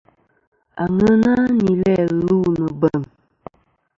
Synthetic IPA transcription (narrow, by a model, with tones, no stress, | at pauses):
a̰˨ŋə˦na˦ni˨lɛ˦˨lu˦˨nə˨bə˨m